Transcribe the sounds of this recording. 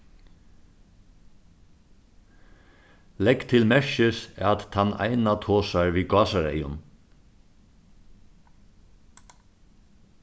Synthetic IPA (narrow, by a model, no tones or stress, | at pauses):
lɛkt̪ʰɪlmɛɹʃɪsat̪hana̰ɪnat̪ʰoːsaɹʋiːɡɑːsaɾḛjʊn